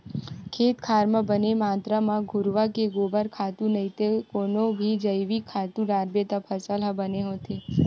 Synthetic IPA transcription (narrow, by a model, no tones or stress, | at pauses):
kʰet̪kʰaɾmãbənemãt̪ɾamãɡʱʊɾʋakeɡobaɾkʰat̪ũnəɦit̪ekonobʱid͡ʒəjʋikʰːat̪ũɾaɾbet̪apʰəsalabəneɦõt̪ʰe